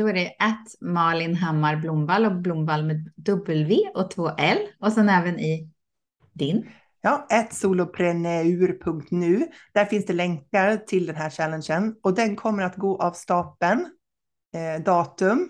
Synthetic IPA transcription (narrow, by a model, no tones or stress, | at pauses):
d̪̥ɔæɖɛʔɛt̪mɑːlɪnɦamːaɾblʊmvalɔblʊmvalmeːd̪ɵbːəlveːɔt̪ʰvoːʔɛlɔsɛnɛːvənɪ | d̪ɪn | jɑːɛt̪suːlʊpʰɾɛnɛʉ̟ːɾpʰɵŋk̚t̪nʉ̟ːd̪̥æɾfɪnsd̪ɛlɛŋkaɾt̪ʰɪld̪ɛnɦæːɕɛlːənɕənɔd̪ɛnkʰɔmːəɾat̪ɡoːʔavst̪ɑːpən | d̪ɑːt̪ɵm